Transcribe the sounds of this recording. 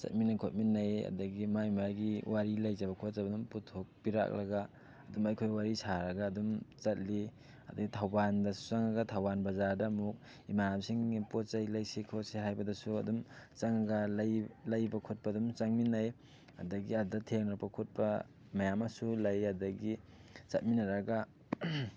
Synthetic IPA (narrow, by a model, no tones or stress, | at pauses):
t͡ʃɐ̰t̚minːɐkʰot̚minːajɐ̰dɐɡimaimaɡiwaɾilajzabɐkʰot̚zabɐdumputʰok̚piɾa̰k̚lɐɡaː | dumɐjkʰojwaɾisʰaɾɐɡaːdumt͡ʃɐt̚li | ɐdɐɡitʰawbandɐsu̥saŋaɡɐtʰawbanbɐzadɐmuk̚ | imanamsiŋipot̚t͡ʃajlajsekʰoseɦajbɐdɐsuɐ̰dumt͡ʃaŋaɡaljlajbɐkʰot̚padumt͡ʃaŋminaj | ɐ̰dɐɡiadɐtʰek̚napʰakʰot̚pɐ | mɐjamasulajadɐɡi | t͡ʃɐt̚minɐɾɐɡa